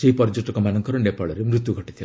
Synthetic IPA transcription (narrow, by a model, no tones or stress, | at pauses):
seɦipɔɾd͡ʒoʈɔkɔmanɔŋkɔɾɔnepaɭɔɾemɾut̪juɡʱɔʈi̥t̪ʰil